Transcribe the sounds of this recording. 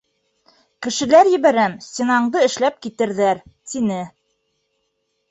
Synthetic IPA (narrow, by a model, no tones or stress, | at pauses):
kɘ̆ʃɘ̆læɾjɘ̆βæɾæmsʲt̪ʲenɑɴd̪ɤɘ̆ʃlæp̚kit̪ɘ̆ɾðæɾt̪inɘ